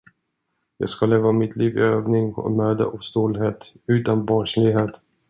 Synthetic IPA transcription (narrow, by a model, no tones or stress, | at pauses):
jɑ̰ːɡskaleːvamɪt̪ʰliːvɪ̰øːvnɪŋɔ̰møːd̪ə̰ʔɔst̪uːlɦeːt̪ | ʉ̟ːt̪anbɑːʂlɪɡɦeːt̪